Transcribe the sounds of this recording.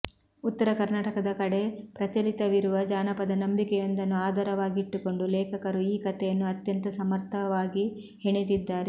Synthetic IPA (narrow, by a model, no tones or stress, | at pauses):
ut̪ːɐɾɐkɐɾnaːʈɐkɐd̪ɐkɐɽe̞pɾɐt͡ʃɐlit̪ɐʋiɾuʋɐd͡ʒaːnɐpɐd̪ɐnɐmbikɛjɐnd̪ɐnːuaːd̪ʱɐːɾɐʋaːɡiiʈːuko̞ɳɖulɛːkʰɐkɐɾuiːkɐt̪ɛjɐnːuɐt̪jɐnt̪ɐsɐmɐɾt̪ʰɐʋaːɡi | heɳit̪id̪ːaːɾe